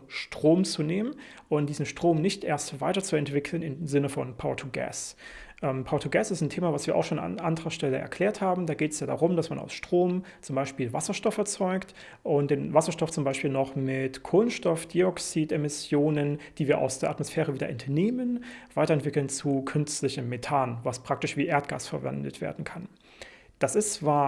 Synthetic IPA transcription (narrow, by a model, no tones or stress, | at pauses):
ʃtʁ̥oːmt͡suneːmənʔʊntd̥iːzn̩ʃtʁ̥oːmnɪçtʔeːɐstv̥aɪtɐt͡suɛntv̥ɪkʰl̩nɪnzɪnəfɔ̰npʰaʊtʰuɡɛ̰s | ʔɛːmpʰaʊtʰuɡɛsɪstntʰeːmavasv̥iːɐʔa̰ʊxʃoːn̰ʔandəʁɐʃtɛləʔɛ̰ɐkʰl̥ɛːɐthaːbm̩daːɡeːtɛ̥sjaːda̰ːʁʊmd̥asmanʔa̰ʊsʃtʁ̥oːm | t͡sʊmbaɪʃpiːlvasɐʃtɔfɛɐt͡sɔʏkt | ʔʊnt̚d̥eːnvasɐʃtɔft͡sʊmbaɪʃpiːlnɔχmɪtkʰolənʃtɔfd̥iɔksiːtemɪsjoːnənd̥iːviːɐʔa̰ʊsd̥eːɐʔatmosfɛːʁəviːdɐ̰ʔɛntʰɐneːmənv̥aɪtɐɛntv̥ɪkl̩nt͡sukʰʏnt͡stlɪçəmmːetʰaːnvaspʁ̥ak̚tɪʃv̥iːʔeːɐtɡ̥a̰ːsfɛɐvɛ̰ndətv̥ḛːɐdn̩kʰan | d̥asɪst͡sv̥aːɐ